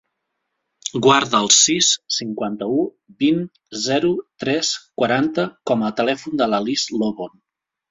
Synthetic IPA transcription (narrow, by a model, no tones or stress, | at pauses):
ɡwaɾðəːlˠsisːiŋkwant̪əu | bin | zɛɾut̪ɾɛskwəɾant̪əkɔməːt̪əlɛfund̪əlalizloβon